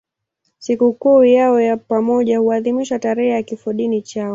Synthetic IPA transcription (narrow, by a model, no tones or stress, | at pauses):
sikukuːjaɔjapamɔʄahuaðimiʃataɾɛhɛjakifɔɗinit͡ʃaɔ